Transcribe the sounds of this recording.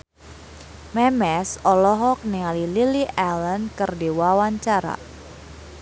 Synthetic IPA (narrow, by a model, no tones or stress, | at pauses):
mɛmɛsɔlɔɦɔk̚niŋalililiʔɛlənkɨrdiwawaɲt͡ʃaɾa̰